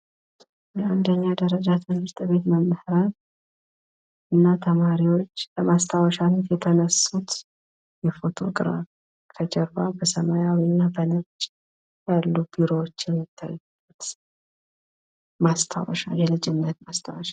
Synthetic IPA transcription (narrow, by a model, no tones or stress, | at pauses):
jɛand̪əɲːad̪əɾəd͡ʒat̪ʰɨnhɨɾt̪ʼβe̞t̪məmːəhɾan | ɨnːat̪ʰəmaɾiwo̞t͡ʃːləmast̪ʰawəʃanət̪jɛt̪ʰənəsut̪ | jɛfo̞t̪ʰo̞̰kʼɨɾa̰β | kʰəd͡ʒɛɾbabəsəmajawiɨnːabənɨɾt͡ʃʼ | jalːubiɾo̞wot͡ʃːjɛmːit̪ʰːa̰jːubət̪ | mast̪ʰa̰wə̰ʃa̰ljɛlɨd͡ʒɪnnət̪mast̪ʰawəʃa